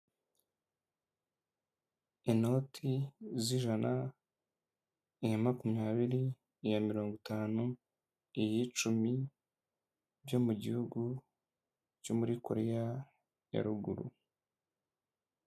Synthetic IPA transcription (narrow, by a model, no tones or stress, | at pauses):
ino̞tʰiziʒana | ijamakumɲaːβiɾiː | jamiɾo̞ːŋɡutaːnu | ijit͡ʃumi | βjo̞muɟihuɡu | co̞muɾiko̞ɾeja | ja̰ɾuɡṵɾṵ